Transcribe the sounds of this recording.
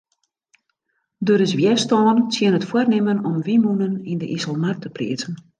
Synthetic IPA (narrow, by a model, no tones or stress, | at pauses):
døɾɪsʋjɛstɔːnsjɪənətfwərnɪmənɔmʋimunənindəʔisəlˠmartəprḭətən